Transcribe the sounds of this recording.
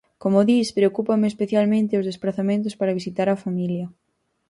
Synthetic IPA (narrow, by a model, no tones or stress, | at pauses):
komoðispɾeokupɐmeespeθjalmẽnt̪eozðesplaθamẽnt̪̬ʊspaɾɐβisit̪aɾɐfamiljɐ